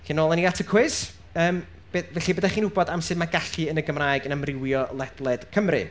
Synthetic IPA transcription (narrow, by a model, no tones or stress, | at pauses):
ɬiːnoːlˠɛniatʰəkʰwɪs | əːm | b̥evɛɬibədaχiːnhʊbɔdamsɨðmaɡaɬɨənəɡəmraːjɡənamrɪwjɔlˠɛdlˠɛd̥kʰəmrɨ̰